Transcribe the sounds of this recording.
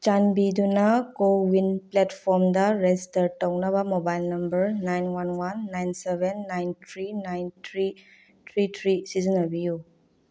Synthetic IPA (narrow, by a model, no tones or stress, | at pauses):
t͡ʃanbidunɐkowinpletpʰoɾmdɐɾestɐɾtɐwnɐβɐmobajlnɐmbɐɾnajnwanwanːajnsebenːajntʰɾiːajntʰɾi | tʰɾitʰɾisizinɐbiju